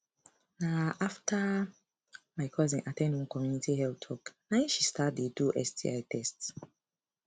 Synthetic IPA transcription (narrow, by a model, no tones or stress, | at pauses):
naʔaftʰa | maɪkʰɔzĩnʔatʰɛ̃ndĩnkɔmjunitihɛltʰɔknãɪ̃ʃistʰat̚detuʔɛstʰḭaɪtʰɛsts